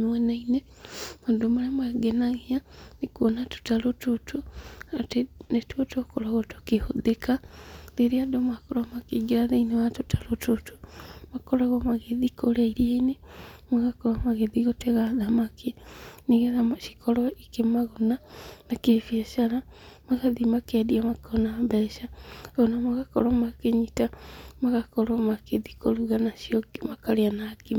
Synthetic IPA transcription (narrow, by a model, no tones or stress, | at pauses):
mwɛnaine | moːndomaɾemaɡenaɣianekwonatu̥talotutuatenetuotokoɾaɣoto̥kihuðekaðeɾiadomakoɾamakiɡiɾaðeinewatutʰḁlotutu̥makoɾaɣomaɣeðikolaiɾieinemaɣakɔɾamaɣeðiɣoteɣaðamakʰeneɣeðamʃi̥kʰɔɾɔikemaɣonanakefiaʃaɾamaɣaðimakeadiamakɔnambɛʃaonamaɣakɔ̰ɾwamakeɲitamaɣakɔɾɔmakeðikoɾuɣanaʃiɔɡimakaɾeanake